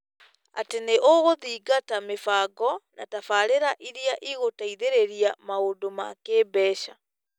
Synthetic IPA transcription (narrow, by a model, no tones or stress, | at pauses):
a̰teneʔoɣoðiːɡatamefaːɡɔna̰tafaːɾeɾaʔiɾiaʔiɣotaiðeɾeɾiamaodoma̰keːbɛːʃa